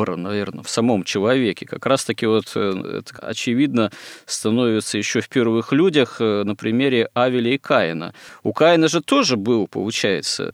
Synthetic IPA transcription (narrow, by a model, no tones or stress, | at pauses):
əɾə̰nɐvʲe̞rnəfsɐmo̞mt͡ɕɪlˠɐvʲekʲɪkɐkɾast̪əkʲɪvo̞t̪ʰɛ̰t̪ə̥ɐ̰t͡ɕɪvʲid̪nəst̪ɐno̞vʲɪt̪səjɪɕːofʲpʲervɨxlʲudʲəxnəpɾʲɪmʲeɾʲɪavʲɪlʲɪɪkaɪ̰nə̰ʊkajɪnəʐɨt̪o̞ʐɨbɨlˠpə̰lˠʊt͡ɕæjɪ̰t̪sə̰